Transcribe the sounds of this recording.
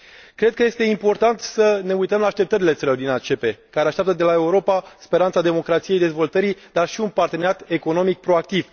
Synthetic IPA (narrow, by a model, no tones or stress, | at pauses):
kɾe̞d̪̚kəje̞st̪e̞impo̞rt̪ant̪səne̞ujt̪əmlaːʃt̪e̞p̚t̪əɾile̞t̪səlod̪inat͡ʃe̞pe̞kaɾeaʃt̪ʲap̚t̪əd̪e̞lae̞uɾo̞paspe̞ɾant̪sad̪e̞mo̞kɾat̪sije̞jd̪e̞zvo̞lt̪əɾid̪arʃiunpart̪eneɾat̪e̞ko̞no̞mik̚pɾo̞ak̚t̪iv